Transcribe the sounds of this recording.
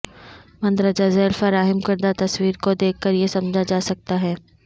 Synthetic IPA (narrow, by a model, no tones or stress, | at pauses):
mɐ̃nd̪ɾəd͡ʒazɛːlfɐɾaːɦɪmkɐɾd̪at̪ɐswiːɾkod̪eːkʰːɐɾjesɐmd͡ʒʱad͡ʒaːsɐk̚t̪aɦɛː